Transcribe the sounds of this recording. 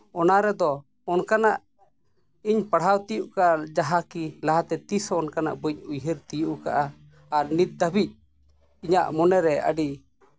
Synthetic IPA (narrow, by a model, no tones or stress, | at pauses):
ɔnaɾɛd̪ɔ | ɔnkanaʔ | iɲpaɽ̤awt̪ijuʔkaʔad͡ʒaɦakilaɦat̪ɛt̪isɔɔnkana̰ʔbəɲ̚ujɦəɾt̪ijuʔka̰ʔaː | ɾnit̪̚d̪əbic̚ | iɲa̰ʔmɔnɛɾɛə̰ɖi